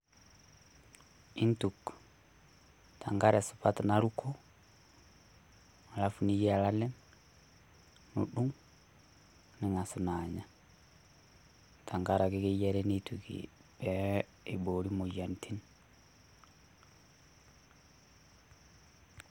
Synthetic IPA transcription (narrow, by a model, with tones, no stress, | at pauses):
i˦ntuk | tʰa˨ŋɡaɾesu̥pa˦tnaɾukʰo˦ | a˨la˦fu˨ni˦ji˦a˨la˦le˦m | nṵ˨ɗu˦ŋ | ni˨ŋa˨su˨na˨ɲa˨ | tʰa˨ŋɡaɾa˨ki˦ki˦je˦ɾenitukḭ˨ | bɛ˨ | i˨boɾi˦mo˨ja˨ntʰi˦n